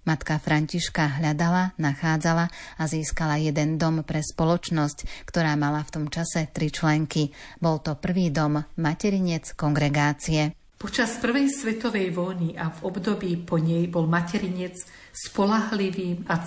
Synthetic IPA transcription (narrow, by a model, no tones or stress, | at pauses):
mat̪kafɾaɲciʃkaɦʎad̪alanaxaːd͡zalaaziːskalajɛd̪ɛnd̪ɔmpɾɛspɔlɔt͡ʃnɔsckt̪ɔɾaːmalaft̪ɔmt͡ʃasɛt̪ɾit͡ʃlɛŋkibɔlt̪ɔpr̩ʋiːd̪ɔmːacɛɾiɲɛt͡skɔŋɡɾɛɡaːt͡siɛ | pɔt͡ʃaspr̩ʋɛjsʋɛt̪ɔʋɛjʋɔjniʔavɔbd̪ɔbiːpɔɲɛjbɔlmacɛɾiɲɛt͡s | spɔlaɦliʋiːma